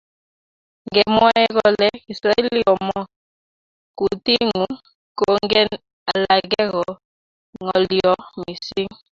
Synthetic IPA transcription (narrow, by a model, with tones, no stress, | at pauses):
ŋɡɛ˨mwɛ˦ɣɔ˦lɛ˦i˨sɾa˨ɛ˦li˦ɔ˨mɔ˦ | ku˨ti˦ŋu˨˦ | ko˦ŋɡɛ˦n | a˨la˨ɣɛ˦ɣɔ˨ | ŋɔ˨li˨ɔ˦mi˨si˦ŋ